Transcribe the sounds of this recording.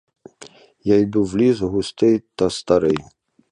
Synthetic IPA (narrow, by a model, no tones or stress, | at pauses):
jajd̪uwlʲizɣʊst̪ɪjt̪ɐst̪aɾɪj